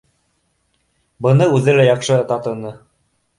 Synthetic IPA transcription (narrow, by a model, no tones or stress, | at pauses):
bɤ̆nɤʉðɘlæjɑqʃɤ̆t̪ɑt̪ɤ̆nɤ